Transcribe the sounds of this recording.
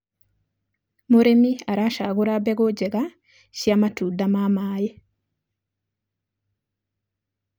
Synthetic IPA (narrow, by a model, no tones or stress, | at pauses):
moɾemiaɾaʃaɣoɾabeɣoɟeɣa | ʃjamatudamamaːje